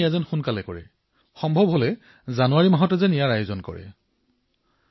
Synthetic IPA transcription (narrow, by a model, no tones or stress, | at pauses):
ɛzɛnxunkalɛkɔɹɛ̰ | xɔmbʱɔbʱɦolɛ | zanuwaɹimaɦɔtɛzɛnijaɹajozɔnkɔ̰ɹɛ̰